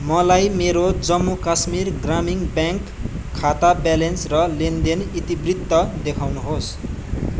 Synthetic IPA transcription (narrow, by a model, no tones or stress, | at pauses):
mʌlajmeɾod͡zʌmːukasmirɡramiŋbjaŋkʰː | at̪abalensrʌlend̪enit̪ibrit̪ːʌd̪ekʰawnuɦos